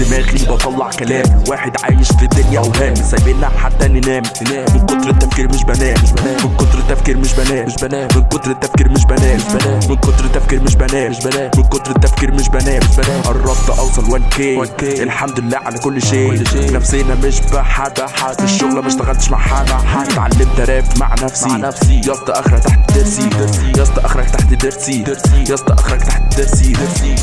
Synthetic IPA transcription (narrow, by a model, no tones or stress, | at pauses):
ɪmæːlkliːbɑt̪ˤɑlːɑʕkælæːmwaːħɪd̪ʕaːjɪʃfid̪ːʊnjæʔhæːmːsæbiːlːæħat̪ːæʔɪnːinæːmːmɪnkʊt̪ɾˤɪt̪ːæfkiːɾmɪʃbænæːʃmɪnkʊd̪ɾˤɪt̪ːæfkiːɾmɪʃbænæːɪʃmɪnqʊd̪ɾˤɪt̪ːæfkiːɾmɪʃbænɛæːmɪnqʊt̪ɾˤɪt̪ːæfkiːɾmɪʃbænæːmɪnqʊt̪ɾɪt̪ːæfkiːɾmɪʃbænɛːʃbæːʔɪrˤːɑb̚t̪ˤɑʔɑwsˤɑlwɪlkeːkːɪlħamd̪ɪlːæːʕalækʊlːʃeːʔnæfsɪjːnæmɪʃbaħad̪æħaɪʃːʊɣlɑmæʃt̪æɣælt̪ʃma̰ʕħad̪aħat̪ʕa̰lːɪmt̪æɾɛːma̰ʕnæfsinæfsijɑst̪ˤɑʔɑxɾˤɑt̪aħt̪ɪd̪ːɪɾsid̪ɾsijɑst̪ɑʔaxɾˤɑɡt̪aħt̪d̪ɪɾsiɾsijɑsˤt̪ˤɑʔɑxɾˤɑɡt̪aħt̪ɪd̪ːɪɾsid̪ɾsi